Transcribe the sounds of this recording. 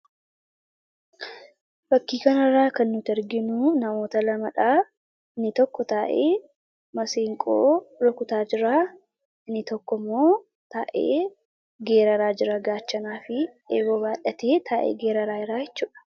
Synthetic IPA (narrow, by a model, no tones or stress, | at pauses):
bɐkːiːkɐnɐraːkɐnːʊt̪ɛɾɡɪnʊnɐmo̞ːt̪ɐlɐmɐᶑaː | ɪnːɪt̪ɔkːɔt̪aːʔeː | mɐseːŋkʼo̰ːɾɔkʊt̪aːd͡ʒɪɾaː | ɪnːɪt̪ɔkːɔmːo̞ː | t̪aːʔḛː | ɡe̞ːɾɐɾaːd͡ʒɪɾɐɡaːt͡ʃːɐnaːfɪʔḛːɡoːbaːᶑɐt̪e̞ːt̪aːʔḛːɡeːɾɐɾaːɪɾaːjɛt͡ʃːuːᶑɐ̥